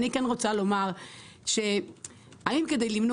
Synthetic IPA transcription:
nikenʁot͡salo̞maʁ | ʃe̞ | aimke̞d̪ejlimno

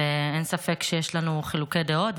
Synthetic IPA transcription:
eensafe̞kʃejeʃlanuχiluked̪eot

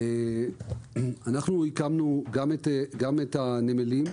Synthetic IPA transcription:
e | anaχnuhikamnuɡameteɡametanemelim

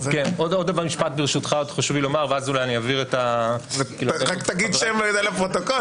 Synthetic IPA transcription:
kenodod̪avaʁmiʃpat̪̚beʁʃut̪χaod̪χoʃuvilo̞maʁveazulajaniaviʁetavekiːluʁakt̪aɡid̪ʃemed̪elepʁot̪oko

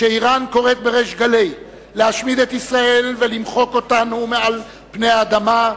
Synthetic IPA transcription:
ʃeiʁanko̞ʁe̞t̪̚be̞ʁeʃɡalej | lehaʃmid̪e̞t̪isʁae̞lve̞limχo̞ko̞tanumeal | pne̞jaːd̪ama

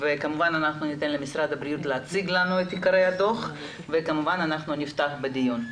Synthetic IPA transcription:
vekamuvananaχnunit̪e̞nlemisɾad̪abɾijut̪leat͡siɡlanuet̪ikaɾejad̪o̞χ | vekamuvananaχnunift̪aχbed̪ijun

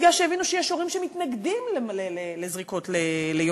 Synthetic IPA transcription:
ɡlaʃeevinuʃejɛʃoʁimʃemitnaɡdimlemlelelezʁiko̞tlelejo

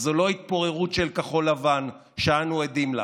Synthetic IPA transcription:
zolo̞it̪̚po̞ʁe̞ʁut̪ʃelkaχo̞lavan | ʃeanued̪imla̰

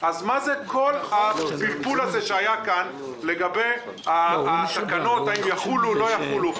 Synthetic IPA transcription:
azmazekʰo̞lapilpulazeʃeajakan | le̞ɡabe̞j | aasakano̞t̪aimjaχululo̞jaχulu

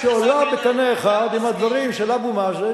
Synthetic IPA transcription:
ʃeolabekaneːχad̪imad̪vaʁimʃelabumaze

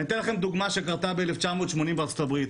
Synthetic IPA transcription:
nit̪enlaχe̞md̪uɡmaʃekaʁt̪abeeleft͡ʃamot̪ʃmo̞nimbeɐʁt͡sotabʁit̪

